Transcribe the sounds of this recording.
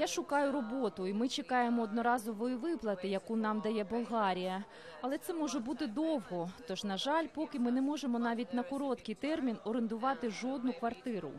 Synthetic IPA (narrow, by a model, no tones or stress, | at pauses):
jaʃʊkɑjʊɾɔbɔt̪ʊimɪt͡ʃekɑjemɔːd̪nɔɾɑzɔʋɔjiʋɪplˠɐt̪ɪjɐkunɑmd̪ɐjɛbʊlˠɦɑɾʲijɐ | ɐlˠɛt̪sɛmɔʒɛbut̪ɪd̪ɔwɦɔt̪ɔʒnɐʒɑlʲpɔkɪmɪnɛmɔʒemɔnɑʋʲit̚ʲnɐkɔɾɔt̪kɪjt̪ɛrmʲinɔɾend̪ʊʋɑt̪ɪʒɔd̪̚nʊkʋɐrt̪ɪɾʊ̰